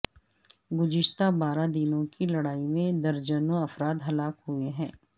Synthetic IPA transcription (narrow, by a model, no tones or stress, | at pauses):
ɡʊd͡ʒɪʃt̪abaːɾad̪ɪnõkilɐɽaːimẽd̪ɐɾd͡ʒənɐfɾaːd̪ɦɐlaːkɦueɦɛ̃ː